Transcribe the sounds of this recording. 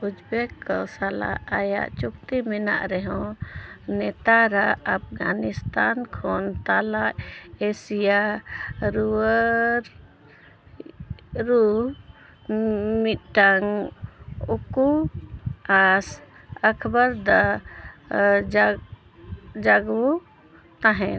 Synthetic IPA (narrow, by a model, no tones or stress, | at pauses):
ud͡ʒbɛkːɔsala̰aja̰ʔt͡ʃukt̪imɛna̰ʔɾɛɦɔ̃ | nɛt̪aɾaap̚ʰɡanist̪ankʰɔnt̪alaʔesija | ɾuəɾ | ɾu | mit̪̚ʈaŋ | uku | as | əkʰbaɾd̪a | d͡ʒ | d͡ʒaɡwu | t̪ãɦɛ